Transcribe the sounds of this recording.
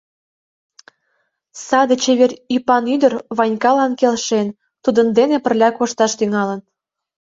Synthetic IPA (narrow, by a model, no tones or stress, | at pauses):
sɑd̪et͡ɕeβerypɑnyd̪ərβɑnʲkɑlɑnkelʃen | t̪ud̪ə̆nd̪enepə̆rlʲækoʃt̪ɑʃt̪yŋɑlə̆n